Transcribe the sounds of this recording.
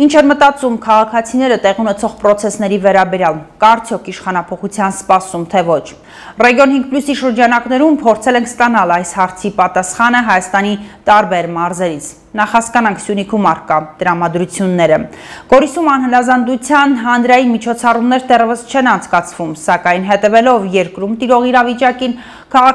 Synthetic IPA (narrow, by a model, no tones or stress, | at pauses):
int͡ʃʰɛɾmət̪ɑt͡sumkʰɑʁɑkʰɑt͡sʰinɛɾət̪ɛʁiunɛt͡sʰɔʁpɾɔt͡sʰɛsn̪ɛɾivɛɾɑbɛɾjɑlkɑɾt͡sʰjɔkʰiʃχɑnɑpʰɔχut͡sʰjɑnspɑsumt̪ʰɛvɔt͡ʃʰ | rɛɡjɔnɦiŋɡ̚plusiʃəɾd͡ʒɑnɑknɛɾumpʰɔɾt͡sʰɛlɛŋkʰst̪ɑnɑlɑjshɑɾt͡sʰipɑt̪ɑsχɑnəɦɑjɑst̪ɑnit̪ɑɾbɛɾmɑɾzɛɾit͡sʰ | nɑχhɑskɑnɑŋkʰsjunikʰumɑɾkɑt̪əɾɑmɑd̪ɾut͡sʰjunːɛɾə | ɡ̥ɔɾisumɑnɦənɑzɑnd̪ut͡sʰjɑnɦɑnd̪ɾɑjinmit͡ʃʰɔt͡sʰɑrumnɛɾd̪ɛrɛvəst͡ʃʰɛnɑnt͡sʰkɑt͡sʰvumsɑkɑjnɦɛt̪ɛvɛlɔvjɛɾkɾumt̪iɾɔʁiɾɑvit͡ʃɑkin | kʰɑʁɑk